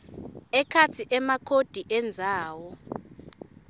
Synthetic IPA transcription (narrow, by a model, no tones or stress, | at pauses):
ɛkʰat͡sʰiʔɛmakʰod̥ʱiʔɛnd͡zʱaːwɔ